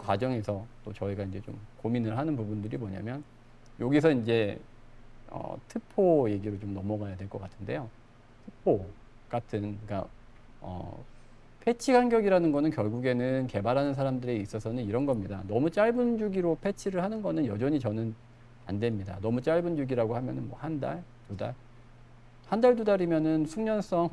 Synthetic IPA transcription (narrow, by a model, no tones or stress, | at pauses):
kwad͡ʑʌŋe̞sʰʌt͈ot͡ɕʌiɡaind͡ʑet͡ɕo̰mkominɯɭɦanɯnpubundɯɾimoɲa̰mjʌn | joɡis̬ʰʌind͡ʑe̞ | ʌ̰tʰɯpʰoje̞ɡiɾot͡ɕomnʌmʌɡajadwe̞ɭk͈ʌk͈atʰɯnde̞̰jo | tʰɯpʰo | k͈atʰɯnk͈a̰ | ʌ̰ | pʰe̞t͡ɕʰiɡanɡjʌɡiɾanɯnɡʌnɯnkjʌɭɡuɡe̞nɯnke̞baɾɦanɯns̬ʰaɾamdɯɾe̞is͈ʌsʰʌnɯniɾʌnɡʌmɲidanʌmut͡ɕ͈aɭbund͡ʑuɡiɾopʰe̞t͡ɕʰiɾɯɭhanɯnɡʌnɯnjʌd͡ʑʌɲit͡ɕʌnɯn | a̰ndwe̞mɲida̰nʌmut͡ɕ͈aɭbund͡ʑuɡiɾaɡohamjʌnɯnwʌ̰handa̰ɭtuda̰ɭ | handaɭt̬udaɾimjʌnɯnsʰuŋɲʌns͈ʌŋ